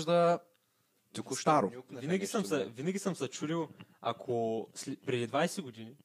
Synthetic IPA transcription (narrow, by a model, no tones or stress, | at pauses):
ʒd̪ɐ | t̪ɐkust̪aɾovinɛɡʲisəmsɐvinɐɡʲisəmsɐt͡ʃuɾilˠa̰kʰospɾɛd̪id̪vajsɛɡod̪ini